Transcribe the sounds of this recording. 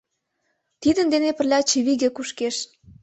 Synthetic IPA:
t̪id̪ə̆nd̪enepə̆rlʲɑt͡ɕeβiɣĕkuʃkeʃ

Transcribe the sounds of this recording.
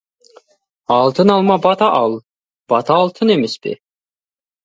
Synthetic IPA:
ɑlˠt̪ənɑlˠmɑbɑt̪ɑʔɑlˠ | b̥ɑt̪ʰɑːlˠt̪ʰənemespɪ̰

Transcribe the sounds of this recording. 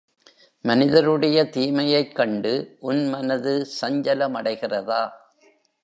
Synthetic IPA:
mɐnɪðɐɾɯɽɐjɐt̪iːmɐjɐɪkːɐɳɖɯʔʊnmɐnɐðɯsɐɲd͡ʒɐlɐmɐɽɐɪɣɪrɐðaː

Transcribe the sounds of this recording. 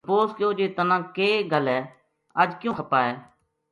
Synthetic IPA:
poːskɪjoːd͡ʒeːt̪ənãːkeːɡəlɛː | əd͡ʒkjũːxʰəpaːeː

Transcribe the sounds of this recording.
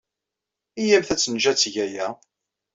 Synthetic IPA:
ijæmθæt͡sːənʒæt͡sːʝæjæ

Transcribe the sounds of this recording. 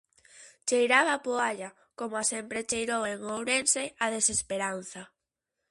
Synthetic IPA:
t͡ʃejɾaβapoaʎa | komoasempɾet͡ʃejɾoweŋowɾenseaðesespeɾan̟θa

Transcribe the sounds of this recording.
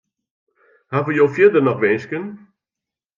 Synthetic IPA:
havəjoːfjɪdərnɔxʋɛːskən

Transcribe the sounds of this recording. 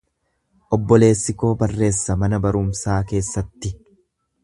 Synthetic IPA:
ʔɔbːɔle̞ːsːɪko̞ːbɐrːe̞ːsːɐmɐnɐbɐɾʊmsaːke̞ːsːɐt̪ːɪ

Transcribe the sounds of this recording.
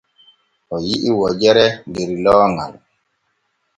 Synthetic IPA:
ɔjiʔiwɔd͡ʒɛɾɛndeɾilɔːŋa̰l

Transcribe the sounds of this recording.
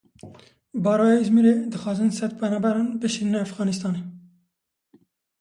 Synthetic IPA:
bɑːɾɑːjeizmiɾed̪ɨxɑːzɨnsɛt̪̚pʰɛnɑːbæɾɑːnbɨʃinnɛæfɣɑːnist̪ɑːneː

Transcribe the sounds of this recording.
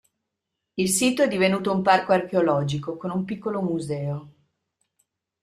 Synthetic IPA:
ilsiːt̪oɛd̪ːivenuːt̪oumparkoarkeolɔːd͡ʒikokonumpikːolomuzɛːo

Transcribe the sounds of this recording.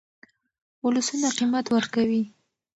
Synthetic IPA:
ʊlʊsunaqimat̪wəɾkawi

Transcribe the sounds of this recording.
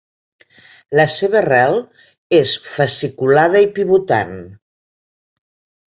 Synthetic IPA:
ləseβ̞ərɛlˠ | esfəsikulaðəipiβut̪a̰n

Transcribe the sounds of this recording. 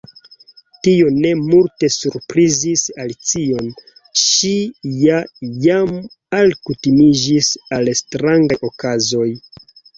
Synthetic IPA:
tio̞ne̞multe̞suɾpɾizisalit͡sio̞n | ʃijajam | alkutimid͡ʒisalstɾaŋɡajʔo̞kazo̞j

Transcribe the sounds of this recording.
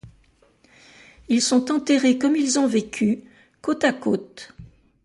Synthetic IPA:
ilsɔ̃t̪ɑ̃t̪eʁekɔmilzɔ̃vekʲʰy | kot̪akot̪

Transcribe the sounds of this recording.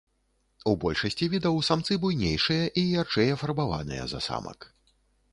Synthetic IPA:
ubɔlʲʂɐsʲt͡sʲivʲid̪ɐwsamt̪sɨbujnʲejʂɨjɐʔijart͡ʂɛjɐfɐrbava̰nɨ̰jɐ̰zɐ̰sa̰mɐ̰k

